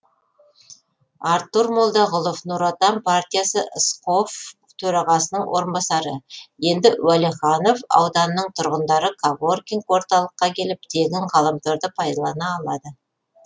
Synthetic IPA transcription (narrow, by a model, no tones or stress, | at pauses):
aɾt̪ːuɾmolˠd̪ɑʁʊlˠofnuɾat̪ɑmpʰart̪ʲijasəʔsqo̞f | t̪ʰɵɾɑʁɑsənəɴwʔo̞ɾənbɑsɑɾəje̞nd̪ɪwæleχɑno̞fɑ̰wd̪ɑnənəɴt̪ʰʊɾʁənd̪ɑɾəkʰavorkʲiŋkwo̞ɾt̪ɑlˠəqːɑkʲʰe̞lɪp̚t̪ʰe̞ɡʲɪŋqʰɑlˠəmt̪ʰoɾd̪əpʰɑjd̪ɑlˠɑnɑːlˠɑd̪ə